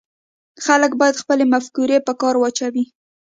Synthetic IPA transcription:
xaləkbɑjad̪xpəlemafkuɾepəkɑɾwat͡ʃawi

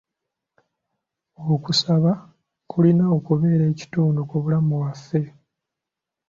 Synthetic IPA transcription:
owokusaβa | kʰulinaokuβe̞ːɾe̞ːci̥tuːndokoβulamuwafːe̞

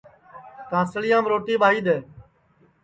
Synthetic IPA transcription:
t̪ãːsəɭɪjãːmɾoːʈiːɓaːɦiːd̪eː

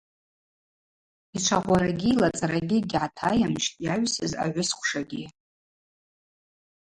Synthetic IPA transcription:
iʈ͡ʂʷʰaʁʷaɾaɡʲilat͡sʼaɾaɡʲiɡʲʕatʰajamʃtʼjaɥʷsɨ̰za̰ʕʷʊskʷʰʼʂaɡʲi

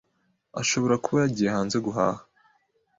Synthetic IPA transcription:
a̰ʃo̞βo̞ɾakuβajaɟiːjehaːnze̞ɡuɦa̰ːhḁ

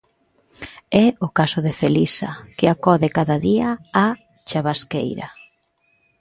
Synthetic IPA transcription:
ɛʊkasʊðɪfelisɐkɪakɔðɪkaðaðiaː | t͡ʃaβaskḛjɾɐ̰

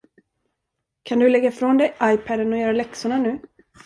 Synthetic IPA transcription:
kʰand̪ɵlɛɡːafɾɔnd̪ɛjʔajpʰæd̪ənɔjœːɾalɛksʊɳanʉ̟ː

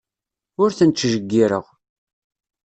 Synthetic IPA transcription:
ʊɾθənt̪ːʒəɡːiɾə̰ʁ

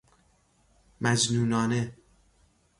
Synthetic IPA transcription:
mæd͡ʒnuːnɒːne

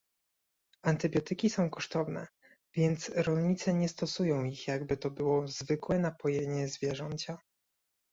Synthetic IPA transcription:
ant̪ɘbʲjɔt̪ɘkʲisɔ̃w̃kɔʂt̪ɔvnɛ̰ | vʲjɛnt̪sɾɔlɲit̪sɛɲɛst̪ɔsujɔ̃w̃ixjaɡbɘt̪ɔbɘwɔzvɘkwɛnapɔjeɲɛzvʲjɛʐɛnt͡ɕa

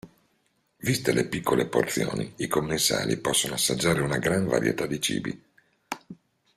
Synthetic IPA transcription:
vist̪elepikʰːoleport̪sjoːniikomːesa̰ːlipɔsːonoasːad͡ʒːaːɾeunaɡɾaɱva̰ɾjḛt̪ad̪it͡ʃḭːbḭ

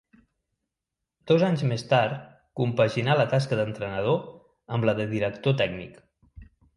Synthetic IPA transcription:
d̪̥ɔzaɲzmest̪aɾt̪ | kumpəʒinalət̪askəðənt̪ɾənəð̞o | əmləðəðiɾəkt̪ot̪ɛɡnik

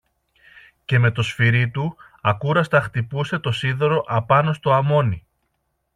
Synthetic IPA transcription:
ce̞me̞t̪o̞sfiɾit̪u | ɐkuɾɐst̪ɐxt̪ipuse̞t̪o̞siðoɾo̞ʔɐpɐno̞st̪o̞ɐmo̞ni

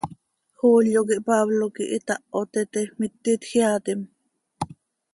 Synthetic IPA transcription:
xoːljokiʔpaβlokiʔit̪ɑʔot̪et̪emit̪ːit̪xiat̪im

